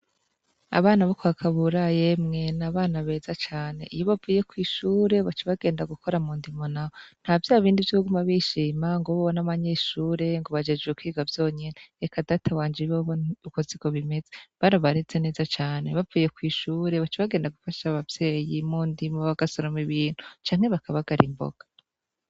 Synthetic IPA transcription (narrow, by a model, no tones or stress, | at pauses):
a̰βaːnaβokoakʰaβuɾaje̞mŋe̞naβaːnaβe̞ːzat͡ʃaːne̞̰ʔijoβavuːje̞kwiːʃuːɾe̞βat͡ʃiβaɡe̞ːndaɡuko̞ɾamuːndimonaon̥haːvjaːβiːndivjuhuɡumaβiʃiːmaŋɡoβoβonaβaɲe̞ʃuːɾe̞ŋɡo̞βad͡ʒe̞d͡ʒɡekwiːɡavjo̞ːɲe̞neekadatʰawaːnd͡ʒiβoβoukoziko̞βime̞zeβaɾaβaɾet͡se̞ne̞ːzat͡ʃaːne̞βavuːje̞kwiːʃuːɾe̞βat͡ʃiβaɡe̞ːndaɡufaʃaβavje̞ːjimuːndimoβaɡ̥asoɾomiβiːn̥u̥t͡ʃaːŋ̥he̞βakaβaɡ̥aɾimbo̰ɡ̥ḁ